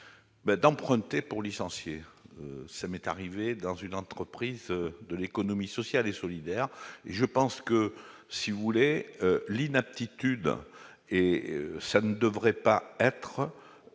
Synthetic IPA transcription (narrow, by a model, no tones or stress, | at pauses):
bɛd̪ɑ̃pχɛ̃t̪epuʁlisɑ̃sjeøsamɛt̪a̰ʁived̪ɑ̃zynɑ̃t̪χəpχizd̪əlekɔnɔmisɔsjalesɔlid̪ɛʁeʒəpɑ̃skəsivuleølinap̚t̪it̪yd̪ | eøsanəd̪əvʁɛpaɛt̪χə